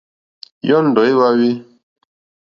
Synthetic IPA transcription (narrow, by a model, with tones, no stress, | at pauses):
jɔ˦n̩˦dɔ˨i˦wa˦wi˦